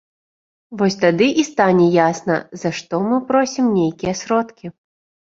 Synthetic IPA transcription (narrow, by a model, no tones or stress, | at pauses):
vɔsʲt̪ad̪ɨʔist̪anʲɛjasnɐ̰zaʂt̪ɔmɨpɾɔsʲimnʲejkʲijɛsɾɔt̪kʲi